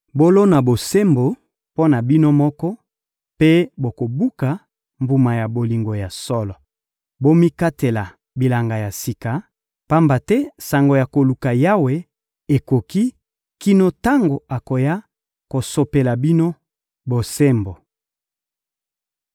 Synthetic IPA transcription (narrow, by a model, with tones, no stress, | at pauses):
bo˦lo˦na˨bo˨se˦mbo˨ | po˦na˨bi˦no˦mɔ˦kɔ˦ | pe˦bo˨ko˨bu˦ka˨ | mbu˨ma˨ja˨bo˨li˨ŋɡo˨ja˨sɔ˦lɔ˨ | bo˦mi˦ka˦te˨la˨ | bi˨la˨ŋɡa˨ja˨si˨ka˨ | pa˦mba˨tɛ˦sa˨ŋɡo˨ja˨ko˨lu˨ka˨ja˦we˨ | e˨ko˨ki˦ | ki˦no˦ta˦ŋɡo˨a˨ko˨ja˦ | ko˨so˨pe˨la˨bi˦no˦ | bo˨se˦mbo˨